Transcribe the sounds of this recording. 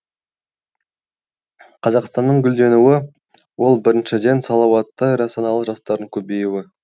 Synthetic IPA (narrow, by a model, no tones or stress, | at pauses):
qʰɑzɑqst̪ɑnːəɴɡʲʏld̪e̞nuwɪ | wo̞lˠbɪɾɪnʃɪd̪e̞nsɑlˠɑwɑt̪ːɑjɾɑsɑnɑlˠəʒɑst̪ɑɾəɴkʲʰɵbe̞juwɪ